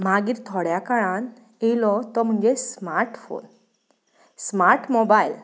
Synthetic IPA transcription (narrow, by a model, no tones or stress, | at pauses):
m̤aɡiːɾt̪ʰɔɽjakaɭãn | elɔt̪ɔm̤əɳd͡zesmaɾʈfo̰n | smaɾʈmɔbail